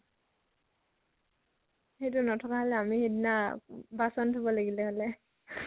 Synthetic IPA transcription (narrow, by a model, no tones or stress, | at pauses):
hejt̬ʊnɔtʰɔkaɦɔlɛamihidnabasɔntʰubɔlaɡilɛhɔlɛ